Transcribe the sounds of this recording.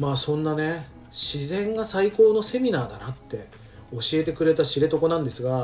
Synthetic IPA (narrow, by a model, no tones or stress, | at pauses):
maːsõ̞nːane̞ | ɕizẽ̞ŋɡasaiko̞ːno̞se̞mʲinaːd̪anat̪ːe̞ | o̞ɕie̞t̪e̞kɯ̟ɾe̞t̪aɕiɾe̞t̪o̞ko̞nãnd̪e̞sɨɡa